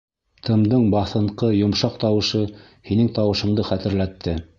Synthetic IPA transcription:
t̪ʰɤ̆md̪ɤɴbɑθɤ̆ɴqɤjŏmʃɑqt̪ɑwɤ̆ʃɤ | hinɘŋt̪ɑwɤ̆ʃɤ̆md̪ɤχæt̪ɘ̆ɾlæt̪ʰːɘ

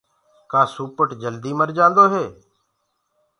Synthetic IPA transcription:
kaːsuːpəʈd͡ʒəld̪iːməɾd͡ʒãːnd̪oːɦeː

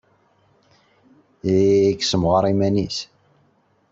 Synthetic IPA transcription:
iksəmʁəɾˤimænis

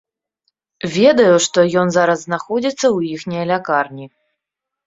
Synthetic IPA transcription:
vʲɛd̪ɐjuʂt̪ɔjɔnzaɾɐzːnaxɔd͡zʲit̪sːɐwjixnʲijɐlʲakarnʲi

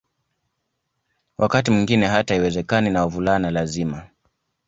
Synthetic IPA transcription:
wʔakatimiŋɡinɛɦataiwɛzɛkaninaɔvulanalazima

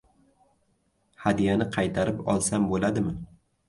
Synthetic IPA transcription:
had̪ijanɪqʰɑjt̪ʰaɾɪpɒ̰lˠsambolad̪ɪmɪ

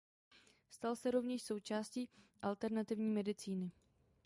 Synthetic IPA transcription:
st̪alsɛɾo̞vɲɛʃso̞wt͡ʃaːsciːʔalt̪ɛɾnat̪ɪvɲiːmɛdɪt͡siːnɪ

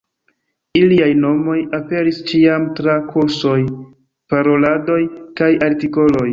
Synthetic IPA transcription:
iliajno̞mo̞jape̞ɾist͡ʃiamtɾakʰuɾso̞j | paɾo̞lado̞jkajaɾtiko̞lo̞j

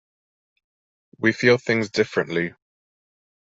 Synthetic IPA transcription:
wifiːlˠθɪ̃ŋzdɪfɹə̃nʔli

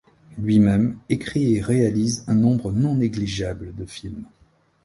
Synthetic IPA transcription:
lɥimɛmekχieʁealizɛ̃nɔ̃bʁənɔ̃neɡliʒabləd̪əfilm

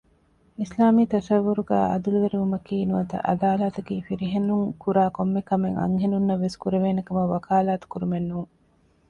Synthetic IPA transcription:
islaːmiːt̪ɐsɐʋːuɾuɡæ̰ːʔɐd̪uluʋeɾiʋumɐkiːnuɐt̪ɐ̰ʔɐ̰d̪aːlaːt̪ɐɡiːfiɾiɦenuŋkuɾaːkomːekɐmeŋɐ̰ŋɦenunːɐʋːeskuɾeʋeːnɐkɐmɐʋːɐkʰaːlaːt̪u̥kuɾumenːuːŋ

